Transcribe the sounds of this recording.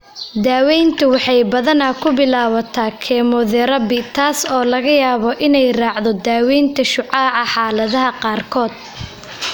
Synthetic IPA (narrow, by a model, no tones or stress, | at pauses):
d̪aːwɛjnt̪ʰʊwɑħɑjbɐðɐnɐkʰʊbɪlaːwɐt̪ʰaːkʰɛmɔðɛɾɐbɪt̪ʰaːsɔːlɐɣɐjaːβɔʔɪnɛjrɑːʕðɔd̪aːwɛjnt̪ʰɐʃʊʕɑːʕɑħɑːlɐðɐɦɐqɑːrkʰɔːd̪̥